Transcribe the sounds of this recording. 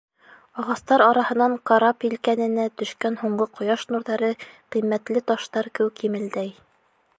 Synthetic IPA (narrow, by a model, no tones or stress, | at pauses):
ɑʁɑst̪ɑɾɑɾɑhɤ̆nɑɴqɑɾɑpilkænɘ̆næt̪ɵ̆ʃkænhuɴɢɤqŏjɑʃnuɾðɑɾɤqimːæt̪lɘt̪ɑʃt̪ɑɾkɘwkimɘ̆ld̪æj